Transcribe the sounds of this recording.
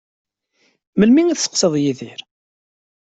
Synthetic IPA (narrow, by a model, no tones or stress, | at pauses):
məlmiŋiθsə̥qsəðˤjiðiɾ